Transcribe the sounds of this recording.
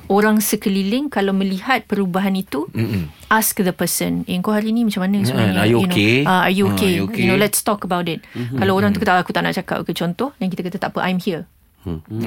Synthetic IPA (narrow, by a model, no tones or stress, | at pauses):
oɾaŋsəkəlilɪŋkalawmə̃lihat̪̚pəɾubaɦanit̪uʔaskðəpəsə̃nɛŋkawɦaɾiːnĩmat͡ʃamːanəmat͡ʃamanneaajuokenolɛtst̪ɔkəbawtɪt̚kalawoɾãŋt̪ukt̪aʔakut̪aʔna̰ʔt͡ʃaka̰p̚kət͡ʃɔnt̪ɔhdankit̪akat̪at̪aʔpəʔajmhiə